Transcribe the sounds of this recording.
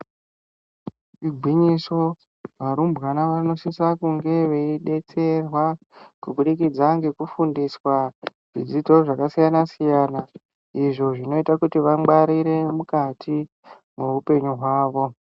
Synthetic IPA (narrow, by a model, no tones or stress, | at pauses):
ʋiɡʱwiɲiso̞ | ʋaɾumbɣanaʋano̞sisakuŋɡe̞ʋe̞iɗe̞t͡se̞rwa | kuɓuɗikid͡zaŋɡe̞kufundiswaʐ̥id͡zito̞ʐakasijanasijana | iʐo̞ʐino̞itakutiʋaɡ͡baɾiɾe̞mukatʰi | mweupe̞ɲuɦwaːʋo̞